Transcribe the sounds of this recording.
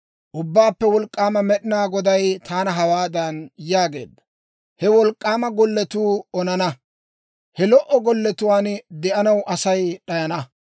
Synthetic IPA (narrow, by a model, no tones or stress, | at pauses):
ʔʊbːaːpːɛwɔlkʼːaːmɐmɛɗɪnaːɡɔd̪ɐjt̪ʰaːnɐɦɐwaːd̪ɐnjaːɡe̞̰ːd̪ːɐ̥ | hɛwɔlkʼːaːmɐɡɔlːɛt̪uːɔnɐnɐ | hɛlɔʔɔɡɔlːɛt̪ʊwaːnd̪ɛʔɐnɐwʔɐsɐjɗɐjɐnɐ